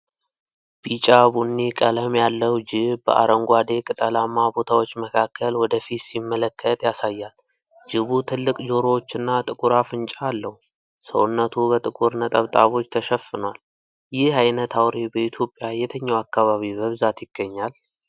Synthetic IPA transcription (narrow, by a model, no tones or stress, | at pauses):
b̥it͡ʃʼabunːikʼələmjalːəwd͡ʒɪβbə̰ʔa̰ɾəŋɡʷad̪e̞kʼɨt̪ʼəlamːabo̞t̪ʰawo̞t͡ʃːməkʰakʰːəlwɔd̪əfit̪simːələkʰːət̪ʼjasajːal | d͡ʒɪβut̪ʰɨlːɨkʼd͡ʒo̞ɾowot͡ʃːɨnːat̪ʼɨkʼuɾafɨnt͡ʃʼaːlːəhu | sə̰wʊnːət̪ʰubət̪ʼɨkʼuɾnət̪ʼəβt̪ʼaβo̞t͡ʃːt̪ʰəʃəfːɨnwal | jɪhajnət̪ʰawɾebəit̪ʰjo̞pʼːjajɛt̪ʰəɲːawakːaβaβibəβɨzat̪jɪɡ̥ːəɲːal